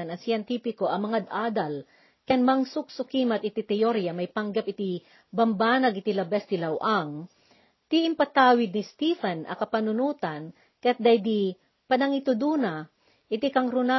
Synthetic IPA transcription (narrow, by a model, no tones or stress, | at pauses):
nɐsɪjɛnt̪ipɪkoʔɐmɐŋad̪ʔaːd̪ɐl | kɐnmaŋsʊk̚sʊkimɐt̪̚ɪt̪it̪ɛjoɾjamɐjpaŋɡɐpɪt̪i | bɐmbaːnɐɡʔɪt̪ilɐbɛst̪ilɐwʔaŋ | t̪iʔɪmpɐt̪aːwɪd̪̚nist̪ifɐnʔɐ̰kɐpɐnʊnuːt̪ɐn | kɐjat̪̚d̪ajd̪i | pɐnɐŋit̪ʊd̪uːnɐ | ʔɪt̪ikɐŋɾʊna